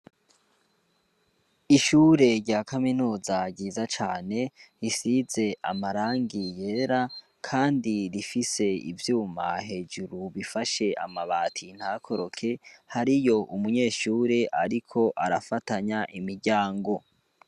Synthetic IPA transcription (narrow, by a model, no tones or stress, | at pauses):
iʃuːɾe̞ɾɟaːkaminuːzaɾɟiːzat͡ʃaːne̞ɾisize̞ʔa̰maɾaːŋɡije̞ɾa | kʰaːndiɾifise̞ḭvjuːma̰ɦe̞d͡ʒuɾuβifaʃe̞ʔa̰maβaːtʰin̥hakʰo̞ɾo̞kʰe̞haɾijo̞ʔumuɲe̞ːʃuːɾe̞ʔaɾikʰo̞ʔaɾafataɲaʔimiɾɟaːŋɡo̞